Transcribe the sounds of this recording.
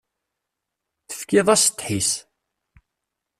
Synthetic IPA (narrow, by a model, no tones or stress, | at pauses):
θə̥fkɪðˤɑst̪ħis